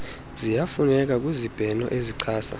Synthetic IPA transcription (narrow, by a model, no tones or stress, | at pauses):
zijafunɛk̬ʼak̬ʼwizib̥ʱɛnɔ̰ʔeziǀʰaːsa̰